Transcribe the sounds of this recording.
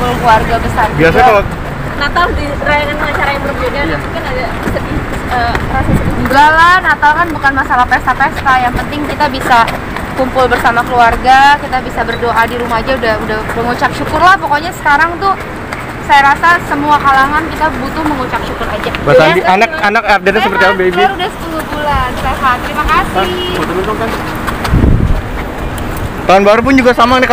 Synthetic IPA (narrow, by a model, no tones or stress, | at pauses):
ʊlkluarɡabəsabiasakalo | nat̪adi | ɾajaŋanəŋat͡ʃaɾajaŋbərbedamukɪnada | səbi | ət̪əɾasauɡalanat̪awkanbukanmasalahpest̪apest̪ajaŋpənt̪ɪŋkit̪abisa | kumpʊlbərsamakəluarɡakit̪abisabərdoʔadiɾumad͡ʒaudahudahməŋut͡ʃak̚ʃukʊrlahpokoɲasə̥kaɾaŋt̪ʊ | sajaɾasasəmuakalaŋankit̪abut̪ʊhməŋut͡ʃak̚ʃukʊɾad͡ʒabasandiʔanak̚anak̚ardɛɲasəpərt̪iaabebiɾudasə̥t̪ulut̪ulansaaɦat̪əɾimakas | but̪uit̪uk̪an | t̪aunbaɾup̬ʊnd͡ʒuɡasamanɛk